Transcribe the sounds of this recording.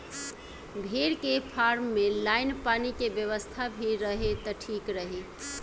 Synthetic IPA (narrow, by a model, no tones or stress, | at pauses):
bʱeɾkepʰaɾmːelajnpanikebjəʋəst̪ʰabʱiɾːəɦet̪əʈʰikɾəɦe